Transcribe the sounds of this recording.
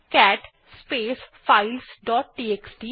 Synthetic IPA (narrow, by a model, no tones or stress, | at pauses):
kɛːʈ | speːsfaɪlsɖɔːʈ̚ɖiːeːksɖiː